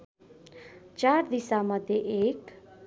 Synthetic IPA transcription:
t͡ʃaɾd̪isamʌd̪ʱjeʔek

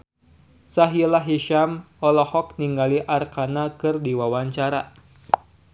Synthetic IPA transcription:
saɦilaɦiʃam | ɔlɔhɔk̚niŋɡaliʔarkanakɨrdiwawaɲt͡ʃaɾa

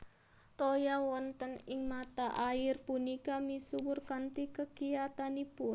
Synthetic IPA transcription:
t̪ojawɔnt̪ənɪŋmat̪aʔaɪrpunikamisuwʊrkant̪ikəkijat̪anipʊn

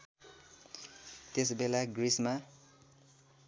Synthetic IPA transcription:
t̪es̬belaɡrisma

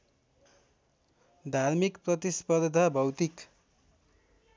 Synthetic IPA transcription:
d̪ʱarmikprʌt̪ispʌdd̪ʱabʱʌwt̪ik

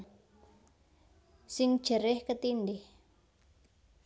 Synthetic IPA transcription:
sɪŋ̥d͡ʒ̥əɾɛhkət̪indih

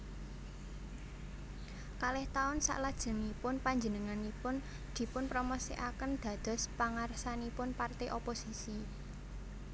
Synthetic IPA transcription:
kalɪht̪aʊnsa̰ʔlad̥ʒ̥ə̤ŋipʊnpaɲd͡ʒənəŋanipʊn | d̪̥i̤pʊnpɾoməseʔakənd̪̥ä̤d̪̥ɔ̤spaŋarsanipʊnpart̪eʔoposisi

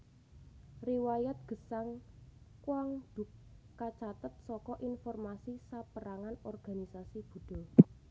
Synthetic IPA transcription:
riwajat̪̚ɡ̥ə̤saŋkwaŋd̪̥ʊk̚ː | at͡ʃat̪ət̪̚sɔkɔʔinfɔrmasisapəɾaŋanɔrɡ̥a̤nisasib̥ṳd̥ɔ̤

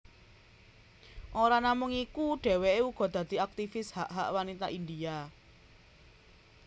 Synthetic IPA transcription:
ʔoɾanamʊŋikuɖ̥ɛ̤weʔeuɡ̥ɔ̤d̪̥ä̤d̪̥i̤ak̚t̪ifɪshaʔɦaʔwanit̪a̰ʔind̪ia

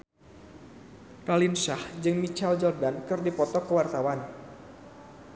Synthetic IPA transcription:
ralinsahd͡ʒɨŋmit͡ʃald͡ʒɔrdankɨrdipɔt̪ɔkəwart̪awan

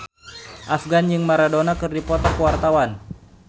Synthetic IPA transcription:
ʔafɡanjɨŋmaɾadonakɨrdipɔt̪ɔkəwart̪awan

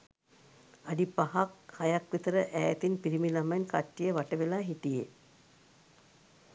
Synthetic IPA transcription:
adipaɦakhajakʋit̪əɾəʔæːt̪inpiɾimilamankaʈːijəʋaʈəʋelaːɦiʈije

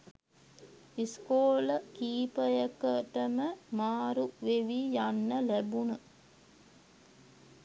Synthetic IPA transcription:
iskoːləkiːpəjəkəʈəməmaːɾuʋeʋijanːəlæbunə

